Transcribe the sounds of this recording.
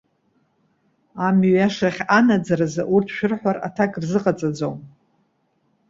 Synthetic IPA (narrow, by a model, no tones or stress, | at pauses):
amɥaʂaχʲanad͡zaɾazaʔurtʰʃᶣɪrħʷara̰tʰakʼrzɨqʼat͡sʼad͡zowm